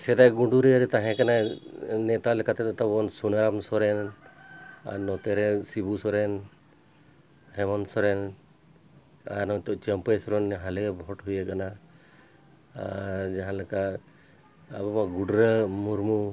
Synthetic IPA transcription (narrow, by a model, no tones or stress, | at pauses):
sɛd̪aɡuɳɖuɾiaɾɛt̪aɦɛ̃kananɛt̪alɛkat̪ɛt̪t̪ɔbɔnsunaɾamsɔɾɛn | a̰ɾnɔt̪ɛɾɛsibusɔɾɛn | hɛmɔnsɔɾɛn | a̰ɾnɔt̪ɔt͡ʃəmpesɔɾɔnɦalebʱɔʈɦujakana | a̰ɾd͡ʒaɦãleka | abɔmãɡuɖɾəmuɾmu